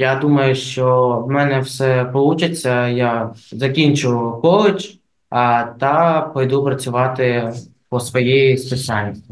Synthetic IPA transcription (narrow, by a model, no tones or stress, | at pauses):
jad̪umɐjʊʃt͡ʃɔwmɛnɛwsɛpɔlˠut͡ʃɐt͡sʲːɐjazɐkʲinʲt͡ʃʊkɔlˠɪt͡ʃ | t̪ɑpɔjd̪upɾɐt͡sʲʊʋɑt̪ɪ | pɔsʋɔjɛjisesʲanʲnʲist̪ʲi